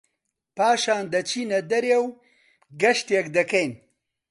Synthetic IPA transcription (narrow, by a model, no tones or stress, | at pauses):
paːʃaːnd̪ɐt͡ʃinɐd̪ɐɾjaw | ɡɐʂt̪jɐkd̪ɐkɐjn